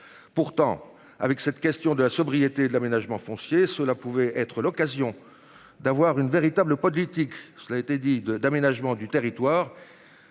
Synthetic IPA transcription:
puʁt̪ɑ̰̃ | a̰vɛksɛt̪kʲɛst̪jɔ̃d̪əlasɔbʁijet̪ed̪əlamenaʒmɑ̃fɔ̃sjesəlapuvɛɛt̪χəlɔkazjɔ̃ | d̪avwaʁynveʁit̪abləpɔlit̪iksəlaet̪ɛd̪id̪əd̪amenaʒmɑ̃d̪yt̪eʁit̪waːʁ

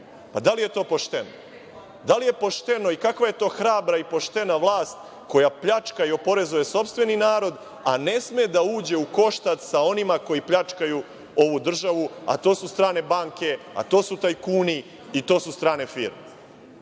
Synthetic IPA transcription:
pad̪alije̞t̪o̞ːpoʃt̪e̞no | d̪alije̞po̞ʃt̪e̞no̞ikakʋaje̞t̪o̞ːxɾaːbɾaipo̞ʃt̪e̞naʋlˠaːst̪ | ko̞japʎat͡ʃkaio̞po̞ɾe̞zuje̞so̞pst̪ʋe̞ninaːɾo̞d̪ | a̰ne̞smed̪auːd͡ʑe̞uko̞ʃt̪at̪sao̞nimako̞jipʎat͡ʃkaju | o̞ʋud̪r̩ʒaʋua̰t̪o̞ːsust̪ɾaːne̞baŋke̞ | a̰t̪o̞ːsut̪aːjkuːni | it̪o̞ːsust̪ɾaːne̞fiːɾme

